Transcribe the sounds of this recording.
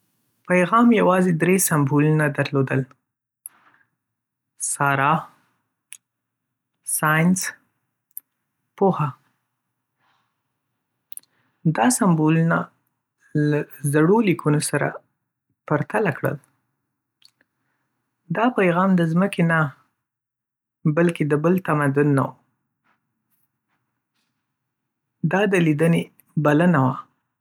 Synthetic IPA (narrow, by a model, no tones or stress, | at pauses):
pajɣɑmjawɑzed̪ɾesambolunad̪aɾlod̪əl | sɑɾɑ | sɑjns | poha | d̪ɑsamboluna | lazaɽolikʰunosaɾa̰ | paɾt̪alakɽə̰l | d̪ɑpajɣɑmd̪əzməkena | balked̪əbəlt̪amad̪ʊnːa̰wu | d̪ɑd̪əlid̪əne | balənawa